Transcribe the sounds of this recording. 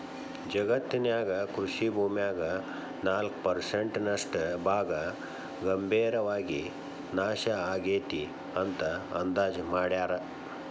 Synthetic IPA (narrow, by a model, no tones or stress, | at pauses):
d͡ʒɐɡɐt̪ːinjaːɡɐkɾuʃibʱuːmjaːɡɐ | naːlkpɐɾseɳʈnɐʂʈbʱaːɡɐ | ɡɐmbʱiːɾɐʋaːɡi | naːʃɐaːɡeːt̪i | ɐnt̪ɐɐnd̪aːd͡ʒmaːɽjaːɾɐ